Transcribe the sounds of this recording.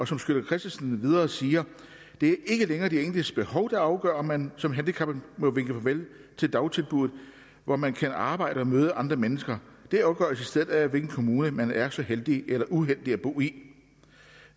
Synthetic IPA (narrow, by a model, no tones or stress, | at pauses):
ɒ̽sɒ̽msɡ̥øl̥ɐkʰʁɛsd̥isnʋið̞ˠɐːsiːɐ | d̥e̝æɐʔe̝ɡ̥əleŋɐːd̥eḛːndisb̥e̝hɒ̽ʊd̥ɑ̈ɑ̈ʊɡ̥ɶ̰ɐ̰mænsɒ̽mɦænd̥ikʰɑ̈b̥mɔ̽ʋeŋɡ̥əfʰɒʋel̰ | t͡sʰe̝ld̥ɑ̈ʊt͡sʰe̝lb̥uðð̩ˠ | ʋɒmænkʰænɑ̈ːb̥ɑ̈ɪ̰ɾ̥əɒ̽møːðˠəʔɑ̈nd̥ʁɐmenəsɡ̥ɐd̥e̝ɑ̈ʊɡ̥ɶ̰ɐsisd̥eð̞̩ˠæʋelɡ̥n̩kʰo̝muːnəmænæɐsɒ̽held̥ielɐʔuɦel̰d̥iæb̥o̝̰ːi